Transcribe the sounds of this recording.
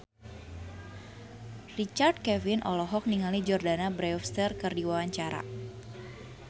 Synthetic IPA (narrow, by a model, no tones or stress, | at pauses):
rit͡ʃard̚kɛvinʔɔ̰lɔɦɔk̚niŋalid͡ʒɔrdanabɾɛɔfst̪ərkɨrdiwawaɲt͡ʃaɾa̰